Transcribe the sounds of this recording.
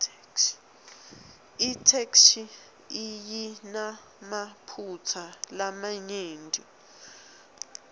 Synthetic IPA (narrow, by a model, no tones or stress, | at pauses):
itʰekʃi | ijina | mapʰut͡sʰalamaɲeːndʱʼi